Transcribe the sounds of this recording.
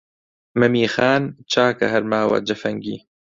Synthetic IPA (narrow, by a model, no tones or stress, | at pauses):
mɐmiːxaːnt͡ʃʰaːkɐ̰ɦɐɾmaːwɐ̰d͡ʒɐfɐŋɡḭː